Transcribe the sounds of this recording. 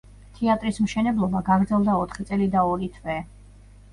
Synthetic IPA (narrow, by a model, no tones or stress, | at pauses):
t̪ʰɛat̪ʼɾismʃɛnɛblˠɔbaɡaɡɾd̪zɛlˠd̪aɔt̪ʰχit̪sʼɛlid̪aɔɾit̪ʰvɛ